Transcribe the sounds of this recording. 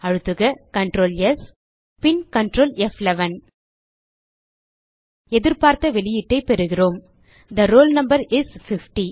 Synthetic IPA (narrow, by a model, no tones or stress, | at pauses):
ɐɻɯt̪ːɯɣɐkɐɳʈɾoːljɐs | pɪnkɐɳʈɾoːlɛflɛʋɐn | ɛðɪɾpaːɾt̪ɐʋɛlɪjɪʈːɐɪpɛɾɯɣɪroːm | d̪ɐɾoːlnɐmbɐɾɪsfɪfʈi